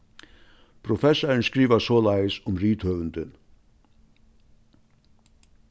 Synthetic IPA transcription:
pʰɾʊfɛsɐɹnskɾiːʋɐsoːlaɪsʊmɾiːt̪hœːʋənd̪ən

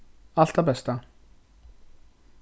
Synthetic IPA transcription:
aɬt̪aːpæːst̪ʰaː

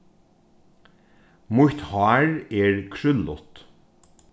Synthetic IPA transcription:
mʊht̪hɑːɹɛːɹkʰɹʏlʊt̪

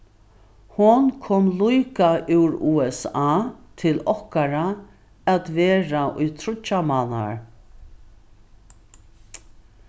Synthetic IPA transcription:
hʊnkʰɔːmlujkaʔɪwɾuːɛsaːt̪ʰɪlɔhkaɾa | at̪vɛːɾaʔʊjt̪ʰɾʊt͡ʃːamana̰ɹ

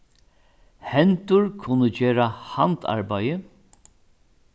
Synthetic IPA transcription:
hɛnt̪ʊɹkʰʊnːəd͡ʒeːɾaha̰nt̪ʰa̰ɹbajə

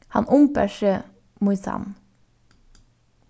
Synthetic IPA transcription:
hɑnʊmpæʃə | mʊsɑ̰n

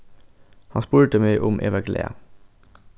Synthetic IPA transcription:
hɑnspuːɹʈəmeɪʔʊmʔḛːʋɑklʔḛːɑ̰

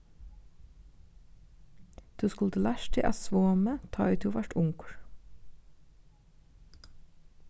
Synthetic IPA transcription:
d̪̥ʉːskʉld̪əlæʃʈʰɪ̰ʔɑ̰ːsʋoːmət̪ʰɑ̰ːʉːt̪ʰuːʋæʈʊŋkɹ

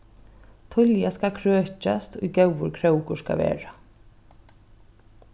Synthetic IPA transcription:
t̪ʰʊljaskakʰɾøːt͡ʃast̪ʊjɡɛwʋʊɾkʰɾɛwkʊska̰ʋḛːɹa

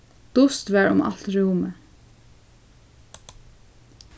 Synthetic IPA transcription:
d̪̥ʊst̪ʋɛɹʊ̰ma̰lt̪ɹuːmə

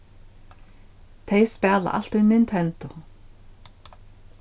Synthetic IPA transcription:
t̪ʰejspɛːla̰ʔa̰l̥t̪ʏnɪnt̪ʰɛnt̪ʊ

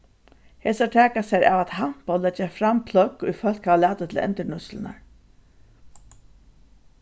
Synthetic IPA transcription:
heːsaʈʰæːkasɛɾʔa̰ʋat̪ham̥pɔlːɛd͡ʒafɾampʰlœkːʊ̰jfœl̥kaʋlaːt̪ət̪ʰɪlɛ̰nt̪əɳʊslə̰na̰ɹ

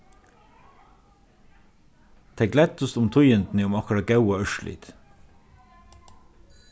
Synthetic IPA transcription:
t̪ʰɛklɛt̪ʊst̪ʊmt̪ʰʊʏənd̪n̩iʊmɑkɾɑɡɑʉəœʃɭʔḭːd̪̥

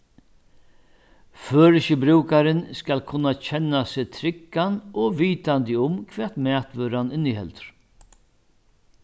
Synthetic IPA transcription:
føːɾɪɕəbɾuːkaɾɪnskalkʰʊnːat͡ʃʰɛnːasɪːt̪ʰɾɪkːanɔʋiːt̪ant̪ɪʊmkʰʋɛ̥ːt̪mɛːt̪ʋœːɾanɪnːɪhɛ̰lt̪ɾ̥

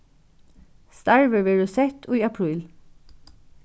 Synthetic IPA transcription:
st̪ɑɹʋəʋeːɹʉːsɛt̪ʰo̰ːiːɑpʰɹiːl

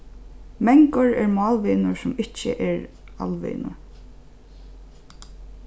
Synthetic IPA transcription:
mɛŋkʊɹɛɹmɑːlʋiːnʊɹsʊmɪt͡ʃːə̰ʔɛɹa̰lʋḭːnʊ̰ɹ

